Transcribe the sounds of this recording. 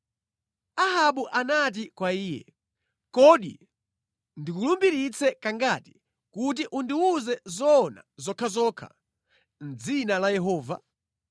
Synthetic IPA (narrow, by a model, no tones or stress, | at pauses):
aɦaɓuʔanat̬ikwaiːjɛ̰ | kɔɗḭ | ndikulumbiɾit͡sʰɛkaŋɡati̥ | kut̬iʔundiuzɛzɔːna̰zɔkʰazɔːkʰa̰ | n̩d͡zinalajɛɦɔːva̰